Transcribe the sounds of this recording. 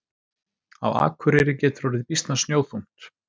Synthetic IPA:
a̰wa̰ːkʰvʏɾɛɾɪcɛːt̪ɾoɾɪðpist̪nasnjowθum̥t̪

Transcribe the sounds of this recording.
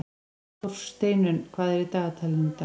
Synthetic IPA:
ɔfst̪eːjnʏnkʰvaːðɛɾɪt̪aːɣat̪ʰalɪnt̪a

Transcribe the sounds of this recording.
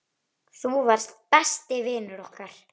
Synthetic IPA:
θuvaɾ̥st̪̚pɛst̪ɪvɪːnʏɾɔhkaɾ̥

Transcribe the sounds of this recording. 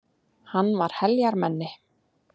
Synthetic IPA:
hanːvaɾ̥hɛljaɾmɛnːɪ

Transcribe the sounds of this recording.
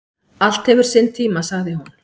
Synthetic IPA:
al̥t̪hɛvʏɾ̥sent̪ʰiːmasaɣðɪhun

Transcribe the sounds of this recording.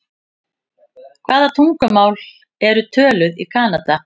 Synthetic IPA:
kʰvaːðat̪ʰuŋkʏmaːwl | ɛɾʏt̪ʰœːlʏðikʰaːnat̪a

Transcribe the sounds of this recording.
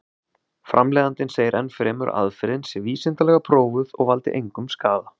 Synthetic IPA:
fɾʔamlɛːðant̪ɪnseːjɪɾʔɛnfɾɛːmʏ̰ɾa̰ðfɛɾɪnsɛviːsɪnt̪alɛɣapʰɾoːwvʏðɔɣvalt̪ɪ̰ʔejŋkʏmskaːða

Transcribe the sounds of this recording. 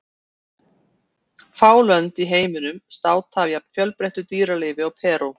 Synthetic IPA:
faːwlœnt̪iɦeːjmɪnʏmst̪aːwt̪ʰaːvjafjœlpɾeht̪ʏt̪iːɾaleːvɪaɣpʰɛːɾʊ

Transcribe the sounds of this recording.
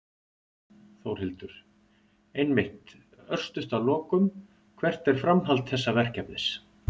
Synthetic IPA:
θowɾ̥hɪlt̪ʏɾ̥ | ejnmɪht̪ | œr̥st̪ʏst̪awlɔːkʏm | kʰvɛr̥t̪ɛɾ̥fɾamɦalt̪θɛsːavɛr̥cɛpnɪs

